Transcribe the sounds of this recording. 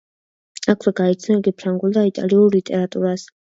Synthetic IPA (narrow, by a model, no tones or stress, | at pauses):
akʰwɛɡait̪sʰnɛɛɡipʰɾaŋɡulˠd̪ait̪ʼa̰liuɾlit̪ʼɛɾat̪ʼuɾas